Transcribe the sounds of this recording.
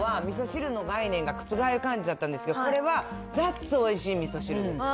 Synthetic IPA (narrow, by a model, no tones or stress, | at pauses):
βamʲiso̞ɕiɾɯ̟no̞ɡainẽ̞ŋɡakɯ̟̥t͡sɨɡaeɾɯ̟kãɲ̟d͡ʑid̪at̪ːãnd̪e̞sɨ̥ke̞d̪oko̞ɾe̞βa | d͡zat͡sɨo̞iɕiːmʲisoɕiɾɯd̪e